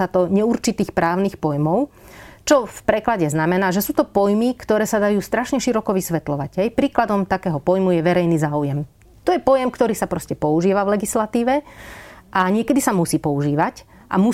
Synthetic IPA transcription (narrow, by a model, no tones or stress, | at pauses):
at̪ɔɲɛuɾt͡ʃit̪iːxpɾʔaːʊniːxpɔjmɔʊ | t͡ʃɔfpɾɛklaɟɛznamɛnaːʒɛsuːt̪ɔpɔjmikt̪ɔɾɛːsad̪ajuːst̪ɾaʃɲɛʃiɾɔkɔʋisʋɛt̪lɔʋaɟɦɛjpɾiːklad̪ɔmt̪akɛːɦɔpɔjmujɛʋɛɾɛjniːzaːujɛm | t̪ɔjɛpɔjɛmkt̪ɔɾiːsapɾɔscɛpɔuʒiːʋavʋlɛɡislat̪iːʋɛ | ʔaɲɪɛkɛd̪isamusiːpɔuʒiːʋac | ʔa̰mu